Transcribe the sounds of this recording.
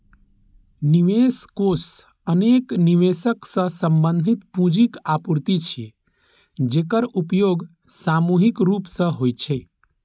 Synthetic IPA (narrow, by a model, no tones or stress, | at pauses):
niʋeskos | ənekniʋesəksə̃sə̃mbənd̪ʱit̪pũd͡ʒikapuɾt̪it͡ʃʰe | d͡ʒeːkəɾupjoɡ | samuɦikɾuːpsə̃ɦojt͡ʃʰe